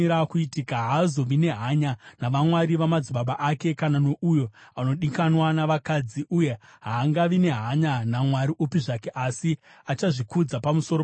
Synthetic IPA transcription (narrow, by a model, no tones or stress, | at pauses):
ɾakuitikaɦazo̞ʋine̞ɦaɲanaʋamwaɾiʋamad͡ziɓaɓaʔake̞kanano̞ʔujo̞ano̞ɗikanwanaʋakad͡ziʔuje̞ɦaːŋɡaʋine̞ɦaɲanamwaɾiʔupiʐake̞ʔasi | at͡ʃaʐikud͡zapamusoɾo